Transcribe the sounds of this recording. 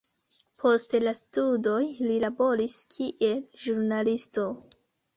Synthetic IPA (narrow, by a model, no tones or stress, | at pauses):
pʰo̞stlastudo̞jlilabo̞ɾiskʰiʔe̞lʒuɾnalisto̞